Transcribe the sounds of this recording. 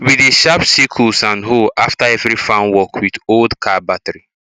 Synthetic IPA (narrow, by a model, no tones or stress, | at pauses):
wideʃapsikʰulsãnɦoʔaftaɛvɾifãnwɔkʰwidoldkʰabatɾi